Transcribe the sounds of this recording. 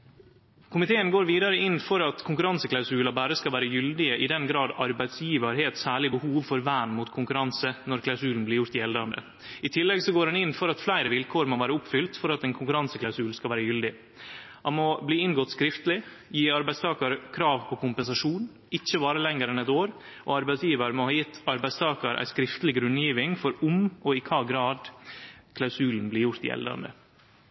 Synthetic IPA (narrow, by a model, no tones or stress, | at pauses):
kʰʊmɪt̪ʰeːənɡoːɾʋiːd̪ɑɾəɪnfɔɾɑt̪kʰʊŋkʉɾɑnsəklɑʉsʉːlɑbæːɾəskɑlʋæːɾəjʏld̪ɪəʔɪd̪ɛnɡɾɑːd̪ɑɾbæɪd̪sjiːʋəɾheːt̪sæːɭɪbəhuːʋfɔɾʋæːnmuːt̪kʰʊŋkʉɾɑnsənɔɾkʰlɑʉsʉːln̩blɪɾjʊɾt̪ɪɛld̪ɑnd̪ə̰ | ɪt̪ʰɪlːɛɡsɔɡoːɾhɑnɪnfɔɾɑt̪flæɪɾəʋɪlkʰoːɾmoʋæːɾəʊpfʏlt̪fɔɾɑt̪ɛnkʰʊŋkʉɾɑnsəklɑʉsʉːlskɑlʋæːɾəjʏld̪ɪ | hɑnmɔbliːɪnɡɔt̪skɾɪft̪lɪ | jiːɑɾbæɪst̪ʰɑːkɑɾkʰɾɑːʋpʰɔkʰʊmpɛnsɑʂuːn | ɪçːəbɑːɾəlɛŋəɾɛnɛt̪oːɾ | ʔɔ̰ɑɾbæɪsjiːʋəɾmohɑːjɪt̪ʰːɑɾbæɪst̪ʰɑːkɑɾʔæ̰ɪskɾɪft̪əlɪɡɾʉnːjiːʋɪŋfɔɾʊmɔɪkʰɑːɡɾɑːd̪kʰlɑʉsʉːln̩blɪɾjʊɾt̪ɪ̰ɛ̰ld̪əɾɑ̰nd̪ə̰